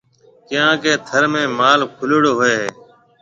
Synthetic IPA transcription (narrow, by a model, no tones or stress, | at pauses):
kɪjãːkeːt̪ʰəɾmẽːmaːlkʰʊlːɽoːɦoeːɦeː